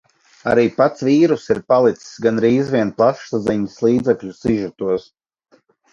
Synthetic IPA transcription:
a̰ɾiːpat̪sviːɾusiɾpalˠit̪ssɡanɾiːzviɛnplˠaʃsaziɲislˠiːd̪zɛkʎʲusiʒut̪uɔs

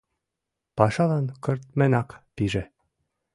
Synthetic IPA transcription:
pɑʃɑlɑnkɤ̆rt̪̚mɘ̆nɑkpiʒɘ̆

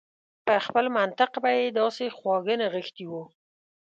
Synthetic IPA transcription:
pəxpəlmant̪ɪqbajed̪ɑsexwɑɡənaɣəxt̪iwu

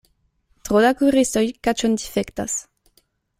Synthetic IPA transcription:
t̪ʁod̪akuʁist̪ojkat͡ʃond̪ifɛkt̪a̰s

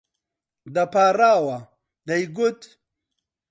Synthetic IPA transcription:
d̪ɐpaːɾaːwa | d̪ɐjɡut̪

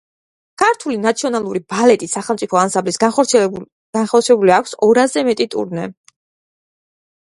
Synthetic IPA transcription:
kʰaɾt̪ʰulinat̪sʰiɔnalˠuɾibalɛt̪ʼisaχɛlˠmsʼipʰɔansamblisɔ | ɡ̥anχɔɾt̪sʰiɛlɛbuliakʷʰsɔɾazɛmɛt̪ʼit̪ʼṵɾnɛ

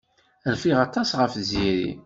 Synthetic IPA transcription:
ɾfiʁɑt̪ˤɑsʁəfziɾḭ

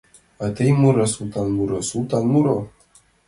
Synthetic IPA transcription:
at̪əjmuɾasult̪anmuɾosult̪anmuɾo

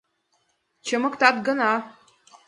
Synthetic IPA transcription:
t͡ɕə̆mə̆kt̪ɑt̪̚ɡɤ̆nɑ

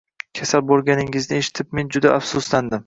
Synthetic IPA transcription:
kʲʰasalbolˠɡʲanɪŋɪznɪeʃɪ̥t̪ʰɪp̚me̞nd͡ʒʊd̪aʔafsʊsland̪ɪm

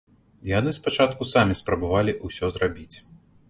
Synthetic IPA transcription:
janɨspat͡ʂat̪kusamʲispɾɐbavalʲiʔusʲɔzrabʲit͡sʲ

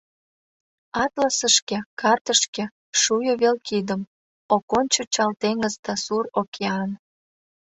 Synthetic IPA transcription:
ɑt̪lɑsəʃkekɑrt̪əʃkĕ | ʃujoβelkid̪əm | okonʲt͡ɕot͡ɕɑlt̪eŋəzd̪ɑsurokʰeɑn

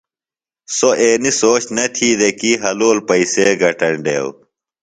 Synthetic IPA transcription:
soʔeːnisoːɕnɐt̪ʰiːd̪ekiɦɐloːlpɐiseːɡʱɐʈɐɳɖḛːw

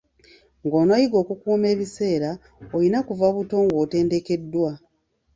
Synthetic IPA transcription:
ŋɡoːnajiɡo̞ːkukuːme̞ːβise̞ːɾa | ojinakuvaβuto̞ːŋɡoːte̞ːnde̞ke̞dːwa

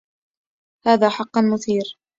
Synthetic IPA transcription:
haːðaːħɑqːɑnmʊθiːɾ

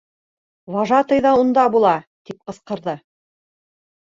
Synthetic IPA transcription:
wɑʒɑt̪ɤjðɑund̪ɑbulˠɑt̪ip̚qɤ̆sqɤ̆ɾðɤ

